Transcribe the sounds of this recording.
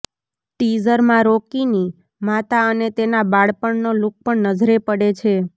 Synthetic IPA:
ʈizəɾmãɾokini | mat̪aənet̪enabaɭpəɳnoluk̚pəɳnəd͡ʒɾepəɽet͡ʃʰe

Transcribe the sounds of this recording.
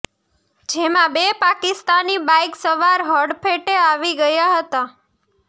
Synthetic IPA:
d͡ʒemãbepakɪst̪anibajksəʋaɾɦɔɾɖpʰeʈeaʋiɡəjaɦət̪a

